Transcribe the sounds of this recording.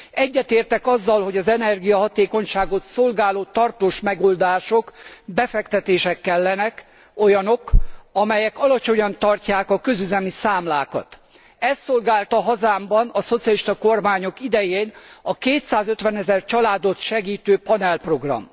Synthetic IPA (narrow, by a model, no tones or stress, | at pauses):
ɛɟːɛt̪eːrt̪ɛkɒzːɒlɦo̞ɟɒzɛnɛrɡijɒɦɒt̪eːko̞ɲʃaːɡo̞t̪so̞lɡaːloːt̪ɒrt̪oːʃmɛɡo̞ld̪aːʃo̞kbɛfɛkt̪ɛt̪eːʃɛkːɛlːɛnɛk | o̞jɒno̞kɒmɛjɛkɒlɒt͡ʃo̞ɲɒnt̪ɒrcaːkɒkø̞zyzɛmisaːmlaːkɒ̰t̪ | ɛst̪ːo̞lɡaːlt̪ɒɦɒzaːmbɒnɒso̞t̪sijɒliʃt̪ɒko̞rmaːɲo̞kid̪ɛjeːnɒkeːt̪saːzøt̪ʋɛnɛzɛrt͡ʃɒlaːd̪o̞t̪ʃɛɡiːt̪øːpɒnɛlpro̞ɡrɒ̰m